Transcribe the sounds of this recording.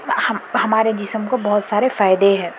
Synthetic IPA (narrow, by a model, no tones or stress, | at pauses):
hɐhɐmaːɾed͡ʒɪsəmkobɐɦʊt̪saːɾefaːɪd̪eɦɛ̃ː